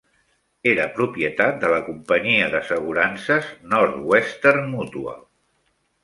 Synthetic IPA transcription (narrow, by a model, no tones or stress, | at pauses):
eɾəpɾupiət̪at̪̚d̪ələkumpəɲiəðəsəɣ̞uɾansəznɔɾt̪west̪ermut̪uə̰l